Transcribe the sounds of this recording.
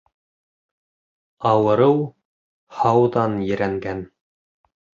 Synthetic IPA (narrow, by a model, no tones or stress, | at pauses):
ɑwɤ̆ɾɤw | hɑwðɑnjɘ̆ɾæŋɡæn